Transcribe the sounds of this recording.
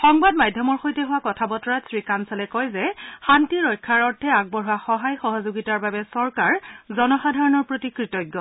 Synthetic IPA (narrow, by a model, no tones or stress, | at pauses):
xɔŋbadmajdʱjɔmɔɹxojtɛɦʊwakɔtʰabɔtɔɹatsɹikansalɛkɔjzɛxantiɹɔjkʰːaɹɔɹtʰɛaɡ̚bɔɹuwaxɔɦajxɔɦɔzoɡitaɹbabɛsɔɹkaɹzɔnɔxadʱaɹɔnɔɹpɹotikɹitɔjɡːɔ